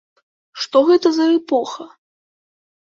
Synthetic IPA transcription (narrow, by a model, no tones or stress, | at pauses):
ʂt̪ɔɣɛt̪ɐzɐɛpɔxɐ